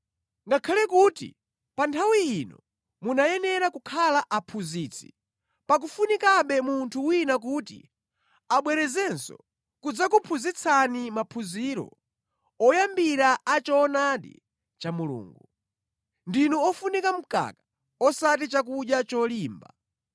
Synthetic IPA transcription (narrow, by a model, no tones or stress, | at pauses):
ŋɡakʰalɛkutḭ | pantʰawiːnɔ | munajɛnɛɾakukʰalaʔapʰuziːt͡sʰḭ̥ | pak̬ufunikaɓɛmuntʰuwinak̬uːtḭ | aɓwɛɾɛzɛnsɔ̰ | kud͡zakupʰuzit͡sʰanimapʰuziɾɔ̰ | ɔjambiɾaat͡ʃɔːnaɗḭ | t͡ʃamulṵːŋɡu | ndinɔɔfunikam̩ka̰ka | ɔsatit͡ʃak̬uɗjat͡ʃɔliːmba